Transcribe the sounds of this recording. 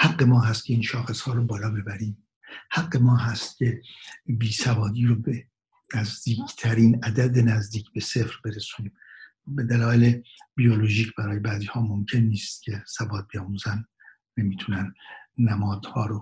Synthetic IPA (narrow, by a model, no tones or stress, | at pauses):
hæɡːe̞mɒːɦæst̪̚cʰe̞iːnʃɒːxe̞shɒːɾobɒːlɒːbe̞bæɾiːm | hæɡːe̞mɒːɦæst̪̚cʲʰe̞biːsævɒːd̪iːɾobe | næzd̪iːkʰt̪ʰæɾiːnæd̪æd̪e̞næzd̪iːcʰbe̞se̞fɾbe̞ɾesuniːm | be̞d̪ælɒːelebijoloʒiːcʰb̥æɾɒːje̞bæːziːhɒːmomcʰe̞nːiːst̪̚cʲʰe̞sæbɒːt̪̚bejɒːmuːzænː | e̞miːt̪ʰunænːæmɒːd̪̥hɒːɾo